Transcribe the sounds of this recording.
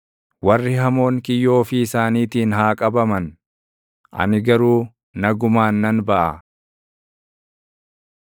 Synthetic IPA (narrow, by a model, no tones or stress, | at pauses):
wɐrːɪɦɐmo̞ːŋkɪjːo̞ːfɪːsaːniːt̪iːnɦaːkʼɐbɐmɐn | ʔɐ̰nɪɡɐɾuː | nɐɡʊmaːnːɐnbɐʔɐ̰